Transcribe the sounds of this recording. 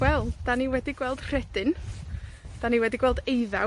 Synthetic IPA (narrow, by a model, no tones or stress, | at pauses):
wɛlˠd̥aniwɛdiɡwɛlˠd̥r̥ɛd̥ɨn | d̥aniwɛdiɡwɛlˠdejða̰